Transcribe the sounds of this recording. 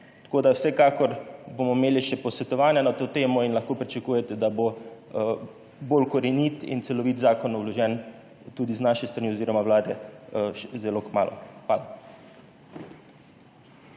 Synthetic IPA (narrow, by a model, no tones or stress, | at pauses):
t̪ḁkoːd̪awsɛkaːkɔɾbomɔimeːliʃɛpɔsʋɛt̪ɔʋaːnjanat̪oːt̪eːmɔinlɐxkoːpɾit͡ʃakuːjɛt̪ɛd̪abo | bolkɔɾɛniːt̪ḭnt̪sɛlɔʋit̪zaːkɔnɔwlɔʒɛn | t̪uːd̪iznaʃɛst̪ɾaniːoziːɾɔmawlaːd̪ɛʃzɛloːkma̰ːlɔ̰xʋaːla